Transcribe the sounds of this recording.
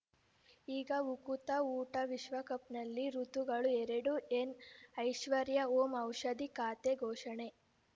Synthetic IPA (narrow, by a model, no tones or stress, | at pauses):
iːɡɐukut̪ɐuːʈɐʋiʃʋɐkɐp̚nɐlːiɾut̪uɡɐɭueɾeɽuenɐjʃʋɐɾjɐoːmɐwʃɐd̪ikaːt̪eɡʱɔːʂɐɳe